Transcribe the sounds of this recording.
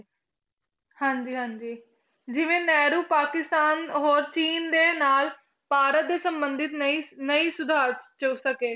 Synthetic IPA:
hãːɲd͡ʒiːɦãːɲd͡ʒiː | d͡ʒɪʋẽːnɛːɾuːpaːkɪst̪aːnɦoːɾt͡ʃiːnd̪eːnaːl | paːɾət̪̚d̪eːsəmbənd̪ʱɪt̪inəĩːsʊd̪ʱaːɾt͡ʃəusəkeː

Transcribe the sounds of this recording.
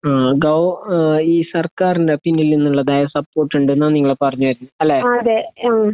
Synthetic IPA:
ɡɐwiːsɐrkaːrindepinːilninːuɭːɐd̪ɐjjɐsɐpːo̞ːʈːuɳɖenːaniŋːɐɭepɐrɐɲːuʋɐɾunːuɐlːeːɐd̪e

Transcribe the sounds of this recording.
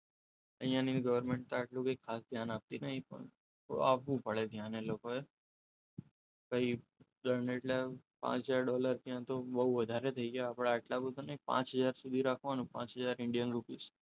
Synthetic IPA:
ə̃ɦijãniɡəʋəɾmẽɳʈ̚t̪aeʈlũkekʰːasd̪ʱjanap̚t̪inəɦĩpə̰ɳ | a̰ʋʋũpəɭed̪ʱjanelokoe | kəɦi | d̪əɾneːʈlapã̰t͡ʃɦəd͡ʒaɾɖɔləɾt̪jãt̪obəɦuʋəd̪ʱaɾet̪ʰəiɡaapɽeeʈlabəd̪ʱanəɦĩpã̰t͡ʃɦəd͡ʒaɾsud̪ʱiɾakʰʋanũpã̰t͡ʃɦəd͡ʒaɾɪɳɖijənɾupis

